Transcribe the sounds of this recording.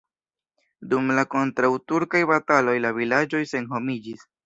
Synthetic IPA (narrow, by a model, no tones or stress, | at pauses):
dumlako̞ntɾawtuɾkajbatalo̞jlavilad͡ʒo̞jse̞nɦo̞mid͡ʒis